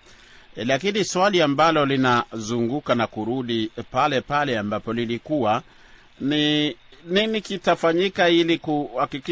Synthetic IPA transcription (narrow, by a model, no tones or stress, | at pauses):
lakiniswaliambalɔlinazuŋɡukanakuɾuɗipalɛpalɛambapɔlilikuwa | ni | ninikitafaɲikailikuhakiki